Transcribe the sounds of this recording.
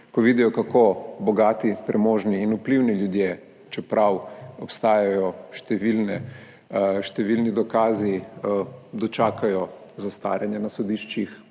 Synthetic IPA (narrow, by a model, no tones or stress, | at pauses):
kɔʋid̪ijɔkakobɔɡaːt̪ipɾɛmoːʒniːnupliwniljud̪je | t͡ʃɛpɾawɔpst̪aːjajɔʃt̪ɛʋilnɛ | ʃt̪ɛʋilnid̪ɔkaːzi | d̪ɔt͡ʃaːkajɔzast̪a̰ːɾjanjɛnasɔd̪iʃt͡ʃix